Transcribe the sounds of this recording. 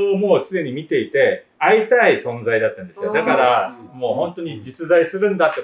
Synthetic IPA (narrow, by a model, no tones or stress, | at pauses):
mo̞ːsɨd̪e̞ɲ̟imʲit̪e̞it̪e̞ | ait̪aisõ̞nd͡zaid̪at̪ːãnd̪e̞sɨjo̞d̪akaɾamo̞ːhõ̞nt̪o̞ɲ̟id͡ʑit͡sɨzaisɨɾɯ̟̃nd̪at̪ːe